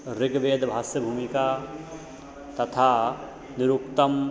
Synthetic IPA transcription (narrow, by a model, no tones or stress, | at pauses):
ɾɪɡʋeːd̪bʱaːsjəbʱuːmika | t̪ɐt̪ʰa | nɪɾukt̪əm